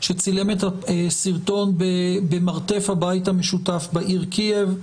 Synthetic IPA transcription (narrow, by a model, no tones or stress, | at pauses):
ʃet͡sile̞met̪asiʁt̪o̞nbebemaʁt̪e̞fhabait̪hameʃutafbaʔiʁkʰiev